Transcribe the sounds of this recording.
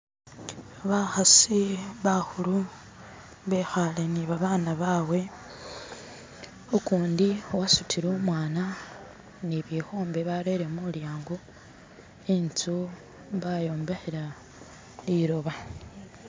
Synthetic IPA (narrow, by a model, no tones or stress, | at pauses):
βaxasiβaxulu | βexaleniβaβaːnaβawe̞ | okuːndiowasutʰiɾomwaːna | neβjexo̞ːmbe̞βaɾe̞ɾemuljaːŋɡo | ent͡su | βajo̞ːmbe̞xeɾa | liɾo̞βa